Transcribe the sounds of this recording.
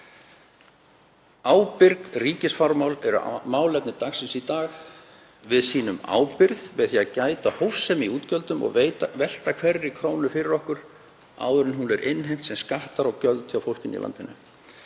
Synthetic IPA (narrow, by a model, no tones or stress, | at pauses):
aːwpɪɾkriːcɪsfɔɾmawlɛɾʏ̰maːwlɛp̚nɪt̪axsɪnsit̪aːx | vɪðsiːnʏma̰ːwpɪɾðvɪðθiacaːjt̪ahowfsɛmiuːt̪cœlt̪ʏmɔ̰ɣveːjt̪avɛl̥t̪akʰv̥ɛrːɪkʰɾoːwnʏfɪɾɪɾɔhkʏɾ̥ | a̰ːwðʏɾɪnɦunɛɾʔɪnːɦejm̥t̪sɛmskaht̪aɾawcœlt̪awfowlcɪnḭla̰nt̪ɪnːʏ̰